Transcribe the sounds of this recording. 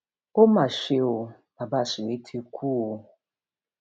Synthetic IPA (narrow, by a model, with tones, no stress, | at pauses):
o˦ma˨ʃe˨o˨ | a˨ba˦˨sɪ˨we˦tʰi˦kʷʰu˦o˨